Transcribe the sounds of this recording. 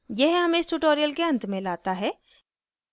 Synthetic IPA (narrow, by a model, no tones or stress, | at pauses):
jɛɦɦɐmẽɪsʈuʈoːɾijəlkeɐ̃nt̪mẽlaːt̪aɦɛː